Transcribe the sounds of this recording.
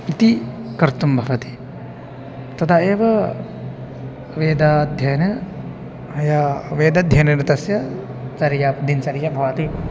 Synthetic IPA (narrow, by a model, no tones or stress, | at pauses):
it̪ikɐɾt̪umbʱɐʋɐt̪i̥ | t̪ɐt̪ʰaeːʋɐ | ʋeːd̪ad̪ʱjɐːnɐ | ɦɐjaʋeːd̪ɐd̪ʱjɐːnɐɾit̪ɐsjɐt͡ʃɐɾijad̪int͡ʃɐɾijabʱɐʋat̪i